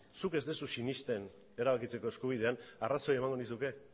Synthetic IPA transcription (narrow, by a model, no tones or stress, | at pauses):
suke̞zd̪esusinist̪e̞n | e̞ɾaβakit͡se̞ko̞e̞skuβ̞iðe̞anaraso̞je̞maŋɡo̞nisuke̞